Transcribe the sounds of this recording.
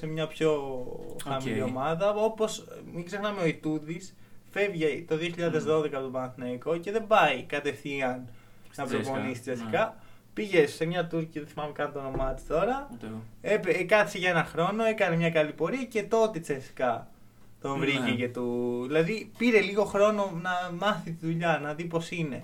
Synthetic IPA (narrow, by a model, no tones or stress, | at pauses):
semɲɐpço̞xɐmillio̞mɐðɐo̞po̞smiɡze̞xnɐme̞o̞it̪uðis | fe̞vʝet̪o̞ðio̞çiʎɐðe̞zðo̞ðe̞kɐpot̪obɐnθinɐiko̞ce̞ðe̞bɐjkɐt̪e̞fθiɐn | nɐpɾokonisi̥t͡seθikɐ | piʝe̞sːemɲɐt̪uɾciðeθimɐmekɐnt̪ono̞mɐt̪i̥t̪o̞ɾɐ | epkɐseʝɐe̞nɐxɾo̞no̞e̞kɐnemɲɐkɐlipo̞ɾiɐce̞t̪o̞t̪et͡sesθi̥kɐ | t̪oɱvɾicecet̪uðilɐðipiɾe̞liɣo̞xɾo̞no̞nɐmɐθit̪iðuʎɐnɐðipo̞sine̞̰